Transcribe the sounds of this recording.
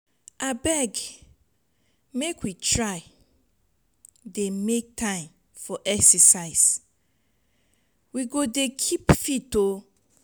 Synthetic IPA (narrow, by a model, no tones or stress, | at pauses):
abɛɡ | mekwitʰɹaɪ | demek̚tʰãɪ̃m | fɔʔɛksəsaɪs | wiɡodekʰipfito